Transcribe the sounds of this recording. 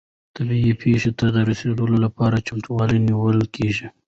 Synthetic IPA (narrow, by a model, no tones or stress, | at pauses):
t̪abiipʰeʃet̪ad̪əɾɪseɽəlolapɑɾat͡ʃamt̪uwɑliniwəlkʰeʒi